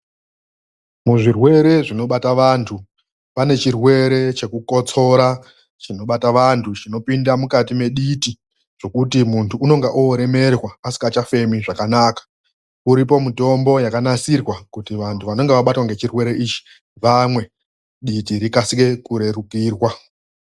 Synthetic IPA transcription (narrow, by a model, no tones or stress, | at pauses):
muʐirwe̞ɾe̞ʐino̞ɓataʋantʰu | pane̞t͡ʃirwe̞ɾe̞t͡ʃe̞kuko̞t͡so̞ɾa | t͡ʃino̞ɓataʋantʰut͡ʃino̞pindamukatime̞ɗiti | ʐ̥o̞kutimuntʰuːno̞ŋɡaʔoːɾe̞me̞rwaasi̥kat͡ʃafe̞miʐakanaːkḁ | uɾipo̞muto̞mbo̞jakanasirwakutiʋantʰuʋano̞ŋɡe̞ʋaɓatwaŋɡe̞t͡ʃirwe̞ɾe̞ʔit͡ʃi̥ | ʋamwe̞ | ɗitiɾikasike̞kuɾe̞ɾukiːrwa